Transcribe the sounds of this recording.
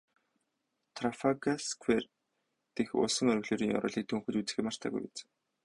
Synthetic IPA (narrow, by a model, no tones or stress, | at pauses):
t̪ʰrafakaskʰwer | t̪exʊ̰ɮsə̆ŋœɾɵɣɮoːɾiːŋɔ̰ɾʊ̰ːɮiːk̚t̪ʰuŋxɵ̆t͡ɕut͡sɘ̥̆xĕmar̥t̪ʰæ̰ːɣṵjpḛt͡sɘ̥̆